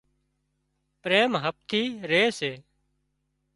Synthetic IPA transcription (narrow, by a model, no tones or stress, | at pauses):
pɾeːmɦəp̚t̪ʰiːɾeːseː